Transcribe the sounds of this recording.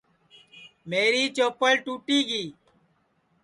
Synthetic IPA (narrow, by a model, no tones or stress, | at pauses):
meːɾiːt͡ʃoːpəlʈuːʈiːɡiː